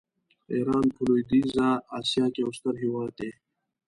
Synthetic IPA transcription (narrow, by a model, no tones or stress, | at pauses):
eːɾaːnpʰuluːid̪iːzaːaːsjaːkeust̪ɐɾɦiwaːt̪eː